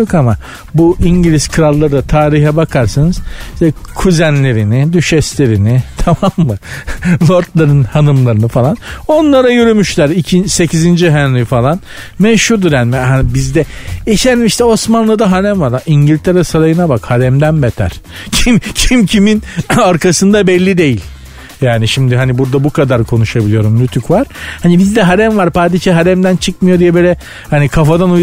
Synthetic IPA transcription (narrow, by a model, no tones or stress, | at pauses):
jokama | buʔiɲɟilʲiz̥kʰɯɾalˠːaɾɯd̪at̪ʰaːɾiɦɛbakʰaɾsanɯz̥ʃt̪ɛkʰuzænlʲe̞ɾinid̪yʃɛslʲe̞ɾinit̪ʰamamːɯlˠo̞ɾt̪lˠaɾɯnhanɯmlˠaɾɯnɯfalˠano̞nlˠaɾajøɾymyʃlʲæɾicʰise̞cʰizind͡ʒiɦænlʲifalˠan | mɛʃhuɾd̪uɾjaːnimɛhanibizd̪ɛeʃænimiʃt̪ɛo̞smanlˠɯd̪aɦaɾæmvaɾaiɲɟilʲt̪ʰeɾɛsaɾajɯnabakhaɾɛmd̪ænbɛt̪ʰæ̰ɾ̥ | cʰimcʰimcʰiminaɾkʰasɯnd̪abɛlʲːid̪e̞jilʲ | jaːniʃimd̪iɦanibuɾd̪abukʰad̪aɾkʰo̞nuʃabilʲijo̞ɾumlʲyt̪ʰykvaɾ̥hanibizd̪ɛɦaɾæmvaɾpaːd̪iʃaɦaɾɛmd̪ænt͡ʃʰɯkmɯjo̞d̪ijɛbølʲɛ | hanikʰafad̪anuj